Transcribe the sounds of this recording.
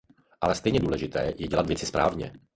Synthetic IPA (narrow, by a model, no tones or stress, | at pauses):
ʔalɛst̪ɛjɲɛduːlɛʒɪt̪ɛ̰ːjɛɟɛlat̪vjɛt͡sɪspɾa̰ːvɲɛ̰